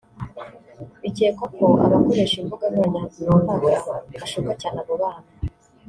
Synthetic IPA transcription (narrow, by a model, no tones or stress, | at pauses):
iciekakoʔa̰βakoɾeʃiɱvuɡamenainoːɱvaɡuɾaaʃukacaːnaβoβaːna